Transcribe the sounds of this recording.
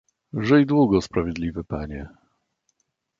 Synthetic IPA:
ʐɛjd̪wuɡɔspɾavʲjɛd̪lʲivɘpaɲɛ

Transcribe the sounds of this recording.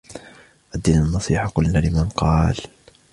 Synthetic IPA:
ʔad̪ːiːnanːɑsˤiːħakqʊlnaːlɪmanqɑːl

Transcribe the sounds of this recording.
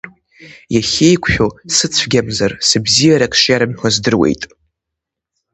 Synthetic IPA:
jaχʲejkʷʰʼʃᶣosɨt͡sʷʰɡʲamzarsɨbzijaɾakʰʼʂjaɾɨmħʷazdɨrwḛjtʼ

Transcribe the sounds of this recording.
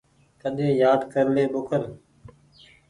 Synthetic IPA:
k̪əɗ̪ẽːjaːd̪kəɾleːɓʊkʰəɾ

